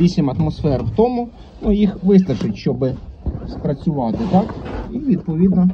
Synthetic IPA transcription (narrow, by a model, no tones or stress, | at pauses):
ʋʲisʲimɐt̪mɔsfɛɾwt̪ɔmʊ | nujixʋɪst̪ɐt͡ʃʊtʲʃt͡ʃɔbɪspɾɐt͡sʲʊʋɑt̪ɪt̪ɑkiʋʲid̪̚pɔʋʲid̪nɔ